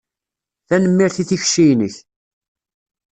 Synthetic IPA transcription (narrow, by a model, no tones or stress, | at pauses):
θænəmːiɾθiθiçʃijnəç